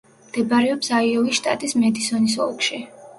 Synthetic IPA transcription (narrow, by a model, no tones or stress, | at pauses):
md̪̥ɛbaɾɛɔpsaiɔviʃt̪ʼa̰t̪ʼismɛd̪isɔnisɔ̰lˠkʃi